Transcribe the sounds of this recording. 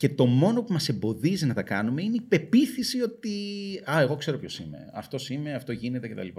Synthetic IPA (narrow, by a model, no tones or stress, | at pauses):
ce̞t̪o̞mo̞no̞pumɐse̞mbo̞ðizinɐt̪ɐkɐnume̞ineipe̞piθisio̞t̪iɐe̞ɣo̞kse̞ɾo̞pço̞sime̞̰ɐ̰ft̪o̞simeɐft̪o̞ʝine̞t̪e̞ce̞t̪ɐ̰lipɐ